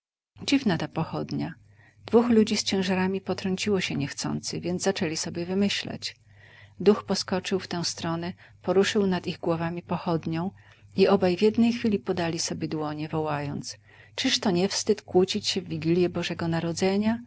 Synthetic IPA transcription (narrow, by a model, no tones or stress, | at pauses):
d͡ʑivnat̪apɔxɔd̪ɲa | d̪vuxlud͡ʑist͡ɕɛ̃w̃ʐaɾamʲipɔt̪ɾɔɲt͡ɕiwɔɕɛɲɛxt̪sɔ̰nt̪sɘvʲjɛnzzat͡ʂɛlʲisɔbʲjɛvɘmɘɕla̰t͡ɕ | d̪uxpɔskɔt͡ʂɘwft̪ɛ̃w̃st̪ɾɔnɛ | pɔɾuʂɘwnad̪iɣɡwɔvamʲipɔxɔd̪ɲɔ̃w̃ | iʔɔbajvjɛd̪nɛjxfʲilʲipɔd̪alʲisɔbʲjɛd̪wɔɲɛvɔwajɔnt̪s | t͡ʂɘʂt̪ɔɲɛfst̪ɘt̪kwut͡ɕit͡ɕɕɛvːʲiɡʲilʲjɛbɔʐɛɡɔnaɾɔd̪zɛɲa